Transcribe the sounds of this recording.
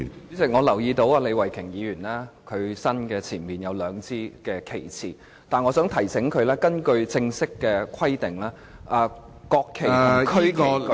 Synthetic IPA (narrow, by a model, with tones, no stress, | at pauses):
yː˨˥t͡sɪ˨k̚ŋɔː˨˧lɐ˨˩wjiː˧t̪o˧˥waː˧le˨˧jwɐ˨˩jkʰɪ˨˩ŋjiː˨˧jyː˨˩nlaː˥kʰɵ˨˧ɥsɐ˥nkɛː˧t͡sʰiː˨˩nmiː˨njɐ˨˧wlœː˨˧ŋt͡siː˥kɛː˧kʰe˨˩jt͡sʰiː˨˩ | t̪aː˨nŋɔː˨˧sœː˨˥ŋt̪ʰɐ˨˩jsɪ˨˥ŋkʰɵ˨˧ɥlɛː˥kɐ˥nkɵ˧ɥt͡sɪ˧ŋsɪ˥kːɛː˧kʷʰɐ˥jt̪ɪ˨˩ŋlaː˥ | ʔaː˧ | kɔː˧kʰːe˨˩˨kʰɵ˥kː